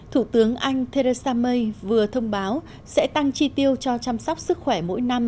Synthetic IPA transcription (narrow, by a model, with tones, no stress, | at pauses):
t̪ʰu˧˩t̪ɨ˨˦əŋʔa˧jŋ̟t̪ʰe˧ɾe˧saː˧mə˧jvɨ˨˩ət̪ʰə˧wŋ͡mɓaː˨˦w | sɛ̰˧˥t̪a˧ŋt͡ɕi˧t̪i˧əwt͡ɕɔ˧t͡ɕaː˧msɔ˦˥wk͡p̚sɨ˦˥k̚xwɛ˧˩mo̰˧˥jna˧m